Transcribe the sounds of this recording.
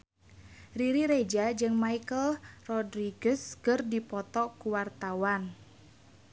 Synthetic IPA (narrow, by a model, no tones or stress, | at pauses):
riɾiɾed͡ʒad͡ʒɨŋmaikəlrɔdɾiɡəskərdipɔt̪ɔkuwart̪awan